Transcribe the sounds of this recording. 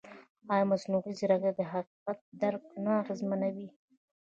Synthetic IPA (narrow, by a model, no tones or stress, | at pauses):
ɑjamasnuɣizɪɾaɡad̪əɦaqiqat̪̚d̪aɾq̚naaɣezmanawi